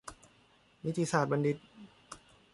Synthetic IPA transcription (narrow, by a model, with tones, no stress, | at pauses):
mi˦˥t̪ʰiː˧saː˨˩t̪̚ba˧ndi˧t̪̚